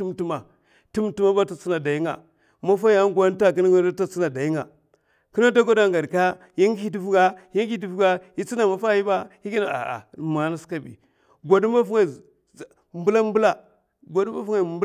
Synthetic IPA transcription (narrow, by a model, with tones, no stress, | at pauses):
u˦mtu˦ma˨ | tu˦mtu˦ma˦ba˦ta˨t͡si˦na˨da˨ji˦ŋa̰˨ | ma˦fa˦ja˦ŋ˦ɡʷa˦n˦ta˦˨k̬i˦n˦ɡa˦a˦ta˦t͡si˦na˨da˨ji˦ŋa˨ | ki˦na˦da˦ɡa˦da˦ŋɡa˨dka˦ | ji˦ŋ˦i˦di˦fu˦ɡa˦ji˦ŋ˦i˦di˦˨fu˦ɡa˦hi˦t͡si˦na˨ma˨fa˦ji˦ba˦hi˦ɡi˦na˨a̰˨a̰˨ma˨na˦ska˦˨bḭ˨ | ɡʷa˨dma˦fu˦ŋa˦˨ | mbu˦la˦mbu˦la˦ | ɡʷa˨dma˦fu˦ŋa˦˨mb